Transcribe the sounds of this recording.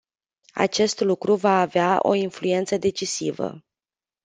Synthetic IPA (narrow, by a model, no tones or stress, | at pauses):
a̰t͡ʃe̞st̪lukɾuvaːveaʔo̞̰influe̞nt̪səd̪e̞t͡ʃisivə̰